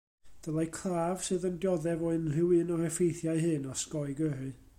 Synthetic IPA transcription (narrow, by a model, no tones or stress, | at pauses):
d̥əlˠajkʰraːv̥sɨːðəndjɔðɛvɔɨnrɨwɨnɔrɛfejθjaɨɦɨnɔskɔɨɡərɨ